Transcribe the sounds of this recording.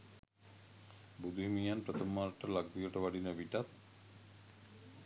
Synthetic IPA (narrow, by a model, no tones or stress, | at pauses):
bud̪uimijanpɾət̪omaːɾʈəlaɡ̚d̪ijəʈəʋaɖinəbiʈat̪̚